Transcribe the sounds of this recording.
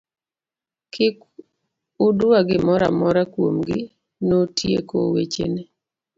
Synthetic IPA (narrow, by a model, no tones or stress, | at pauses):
kɪk | ʊdʊwaɡɪmɔɾa̰mɔɾakwomɡɪ | notjḛko̰wet͡ʃḛne